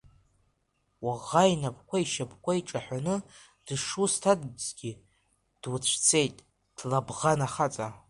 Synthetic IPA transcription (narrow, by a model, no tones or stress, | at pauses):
waʁajnapʰʼkʷʰaiʃapʰʼkʷaiʈ͡ʂʼaħʷᶣanɨ | d̥ʂustʰadbz̥ɡʲi | d̥wut͡ɕʷʰt͡sʰe̞jtʼ | d̥labʁanaχat͡sʼa